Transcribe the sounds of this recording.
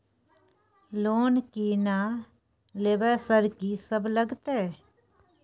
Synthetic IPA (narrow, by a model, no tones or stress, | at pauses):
loːnkiːnaː | leːʋɛːsəɾkiːsəbləɡt̪ɛː